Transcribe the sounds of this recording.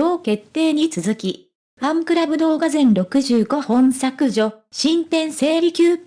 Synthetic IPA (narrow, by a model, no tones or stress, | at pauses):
oːke̞t̪ːe̞ːɲ̟it͡sɨzɨkʲi | ãŋkɯ̟ɾabɯ̟d̪o̞ːɡazẽ̞nɾo̞kɯ̟ʑɨːɡo̞hõ̞ɰ̃sakɯ̟ʑo̞ɕĩmt̪ẽ̞ɰ̃se̞ːɾʲikʲɨːp